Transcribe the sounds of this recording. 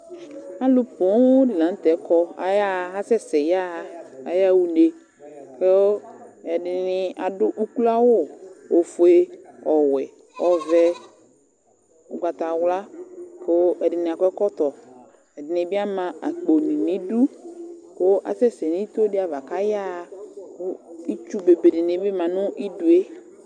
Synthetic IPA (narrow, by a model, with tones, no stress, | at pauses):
a˦lʊ˦po˨˦dɪ˨lã˨n˦t̪ɛ˨˦kɔ˦a̰˨ja˦˨a˦sɛ˦sɛ˨ja˦˨a˨ja˦wu˦ne˨ | ke˦wɛ˨ɖɪ˨nɪ˨a˨dʊ˦ʔu˦ku˦la˦wo˦˨o˨fo˨e˦ɔ˨wɛ˨ | ɔ˨vɛ˦ | ʊ˨ɡa˨t̪a˨wla˦ko˦ɛ˨dɪ˨nɪ˨a˨kʷɛ˦kɔ˦t̪ɔ˨ | ɛ˨dɪ˨nɪ˨bi˦a˦mã˨ʔa˨k͡po˨nĩ˨ni˨˦du˦ko˦ʔa̰˨sɛ˦sɛ˨ni˦t̪o˦dɪ˦a˨va˨ka˦ja˦˨kʊ˦i˦t͡ʃu˦be˨be˨dɪ˨ni˨˦bɪ˦mã˨nʊ̃˦ʔi˦du˨e˦